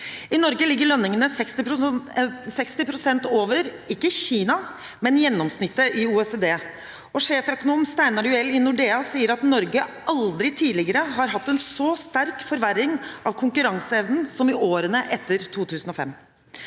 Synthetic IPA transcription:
ɪnɔɾɡəlɪɡːəɭœnːɪŋənəsɛkst̪ɪpɾʊ | sɛkst̪ɪpʰɾʊsɛnt̪oːʋəɾ | ɪkːəçiːnɑ | mɛnjɛnːɔmsnɪt̪ːəʔɪuːɛseːd̪eː | ɔʂeːfœkʊnuːmst̪æɪnɑɖʉɛlːɪnʊɖeːɑsiːəɾɑt̪nɔɾɡəʔɑld̪ɾɪt̪ʰiːlɪɡəɾəɦɑɾɦɑt̪ːɛnsɔst̪æɾkfɔɾʋæɾɪŋʔɑʋkʰʊŋkʉɾɑŋsəɛʋnn̩sɔmɪʔoːɾənəʔɛt̪ːəɾt̪ʰuːt̪ʰʉːsən̩ɔfɛ̰mː

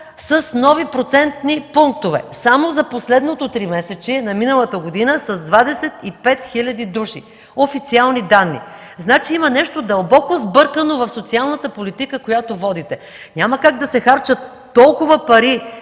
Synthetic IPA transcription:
sɐsnɔvipɾot̪sɛnt̪nipuŋk̚t̪ovɛ̰samozɐposlɛd̪not̪ot̪ɾimɛsɛt͡ʃinɐminəlˠət̪əɡod̪inəsɐzd̪vad̪ɛsɛt̪ipɛt̪xilʲɐd̪id̪uʃḭ | ofit̪sialˠnid̪anːḭ | znat͡ʃiimənɛʃt̪od̪ɐlˠbɔkozbɤɾkənovɐfsot̪sialˠnɐt̪əpolit̪ikəkojat̪ovɔd̪it̪ɛ | ɲʲaməkaɡd̪ɐsɛxaɾt͡ʃət̪ːɔlˠkʊvəpɐɾi

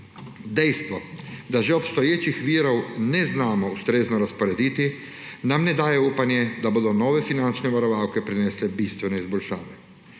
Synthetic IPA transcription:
d̪ejst̪ʋod̪aʒeopst̪ojeːt͡ʃixʋiːɾowneznaːmoust̪ɾeznoɾaspoɾed̪it̪i | namned̪aːjeupanjed̪abod̪onoːʋefinant͡ʃneʋaɾoʋaːwkepɾineslebist̪ʋeneizboʎʲʃaːʋe

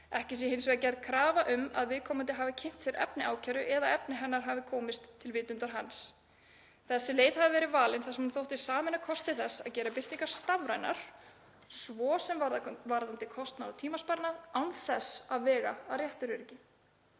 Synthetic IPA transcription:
ɛhcɪs̬iɦɪns̬vɛcɛɾðkʰɾaːvaʔʏma̰ðvɪðkʰɔːmant̪ɪɦaːvɪcʰɪjn̥t̪sjɛɾɛ̰pnɪaːwcʰɛɾʏʔɛðaɛpnɪɦɛnːaɾ̥ɦaːvɪkʰɔːmɪst̪ʰːɪlvɪːt̪ʏnt̪aɾ̥ɦans | θɛsːɪleːjt̪havɪvɛːɾɪvaːlɪnθasmunθowht̪ɪ̥saːmɪnakʰɔst̪ɪθɛsːa̰ðcɛːɾapɪr̥t̪iŋkaɾ̥st̪avɾa̰jna̰ɾ̥ | svɔːsɛmaɾvaɾðamt̪ɪkʰɔst̪nat̪ʰiːmaspaɾnaðawnθɛsaðvɛːɣaːrjɛht̪ʏɾʏɾcɪ

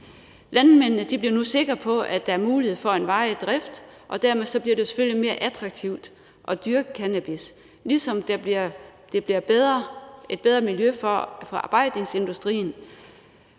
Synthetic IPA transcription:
lænmen̰nəd̥ib̥liɐnuse̝ɡ̥ʁɐpʰɒ̽ʔæd̥æ̈æɐmuːlihe̝ð̞̰ˠfɒ̽e̝nʋɑ̈ɪd̥ʁɛfd̥ʔɒ̽d̥æɐmeðˠsɒ̽b̥liɐd̥e̝se̥føljime̝ːɐʔæd̥ʰʁɑ̈ɡ̥̚t͡sʰiʊ̰d̥ | ʔɒ̽d̥yɐɡ̥əkʰænæb̥is | lisɒ̽md̥æ | d̥e̝b̥liɐbðˠe̝d̥b̥eð̞ˠʁɐmiljøffɒɑ̈ːb̥ɑ̈ɪ̰d̥ne̝ŋse̝nd̥usd̥ʁḭːn̩

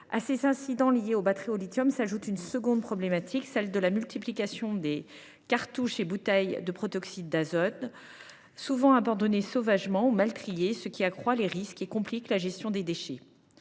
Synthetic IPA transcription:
a̰sezɛ̃sid̪ɑ̃lijeobat̪χiɔlit̪jɔmsaʒut̪ynsəɡɔ̃d̪̚pχɔblemat̪ʰiksɛld̪əlamylt̪ʰiplikasjɔ̃d̪e | kaʁt̪uʃebut̪ɛjd̪əpχɔt̪ɔksid̪̚d̪azɔd̪ | suvɑ̃abɑ̃d̪ɔnesovaʒmɑ̃umalt̪χijesəkʲiakχwaleʁiskekɔ̃pliklaʒɛst̪jɔ̃d̪ed̪eʃe

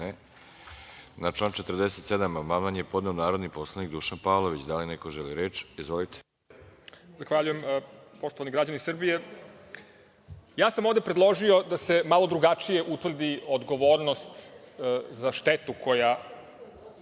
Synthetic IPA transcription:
nat͡ʃlˠaːnt͡ʃet̪rd̪eset̪sed̪amamalanjepo̞d̪neonaːɾod̪nipo̞slˠanikd̪uʃanpaːlˠoʋit͡ɕd̪alinekoʒeliɾeːt͡ʃizʋolit̪ʰe̥ | zaxʋaʎuje̞mpo̞ʃt̪oʋaniɡɾad͡ʑanisr̩bije | jaːsamoʋd̪e̞pɾed̪lˠo̞ʒio̞d̪ase̞malˠo̞d̪ɾuɡat͡ʂije̞ʔut̪ʋr̩d̪iod̪ɡo̞ʋo̞ːɾnost̪ | zaʃt̪et̪ukʰo̞ja

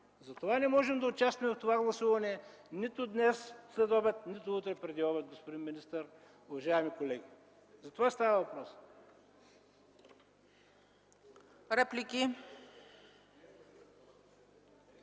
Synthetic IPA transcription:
zɐt̪ovanɛmɔʒɛmd̪ɐʊt͡ʃast̪vɐmɛft̪ovaɡlˠɐsuvɐnɛ | nit̪ʊd̪nɛsslɛd̪ɔbɛt̪̚nit̪ʊut̪ɾɛpɾɛd̪iɔbɛt̪̚ɡospʊd̪inminist̪əɾ | ʊvɐʒaɛmikolɛɡʲi | zɐt̪ovast̪avɐvɐpɾɔs | ɾɛplʲikʲi

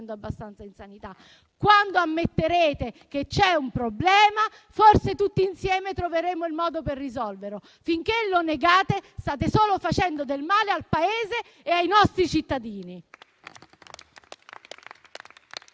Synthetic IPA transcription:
nd̪oabːast̪ant̪sainsanit̪a | kwand̪oamːet̪ːeɾeːt̪eket͡ʃːɛumpɾoblɛːma | forset̪ut̪ːiinsjɛːmet̪ɾoveɾeːmoilmɔːd̪operːizɔlveɾo | fiŋkeloneɡaːt̪est̪aːt̪esoːlofat͡ʃɛnd̪od̪elmaːlealpaeːzeː | ajnɔst̪ɾit͡ʃit̪ːad̪iːni

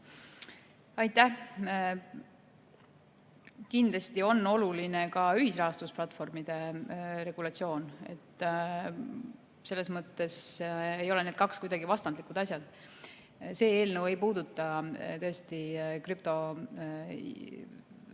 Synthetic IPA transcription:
ɑjt̪ːæ | kind̪lɑst̪io̞nːo̞luline̞kɑyɦisrɑɦɑst̪usplɑt̪ːfo̞rmid̪̥e̞ɾe̞ɡ̥ulɑt̪sio̞ːne̞̰t̪ː | se̞lːe̞smɤt̪ːˑe̞se̞jo̞le̞ne̞d̪̥kɑkskujd̪ɑɡivɑst̪ɑnd̪likud̪̥ɑsʲjɑd̪̥ | se̞ːe̞ːlnəwe̞jpuːd̪̥ut̪ːˑɑt̪ɤest̪ikryp̚t̪o̞

